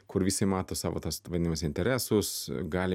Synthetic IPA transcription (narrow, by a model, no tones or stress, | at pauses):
kʊɾʋʲiːsʲɪmɑːt̪oːsɑ̰ːʋo̰ːt̪ɐsʋɐd̪ʲɪnʲmɐsɪnʲt̪ʲɛɾʲæːsʊsɡɑːlʲɪ